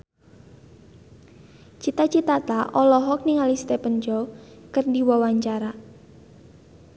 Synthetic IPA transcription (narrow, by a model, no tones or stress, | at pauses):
t͡ʃit̪at͡ʃit̪at̪aʔɔlɔɦɔk̚niŋalist̪epənd͡ʒɔwkərdiwawaɲt͡ʃaɾa